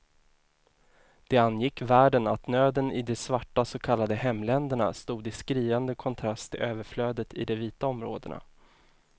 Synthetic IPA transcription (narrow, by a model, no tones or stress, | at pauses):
d̪̥ɛanːjɪkːvæːɖənat̪nøːd̪ənɪd̪ɛsvaʈːasɔkʰalːad̪əhɛmːlɛnd̪əɳa̰st̪uːd̪ɪskɾiːand̪əkʰɔnt̪ʰɾast̪ʰːɪlʔøːvəɾfløːd̪ət̪ʰɪ̰d̪ɛviːt̪aɔmɾo̰ːd̪ə̰ɳa̰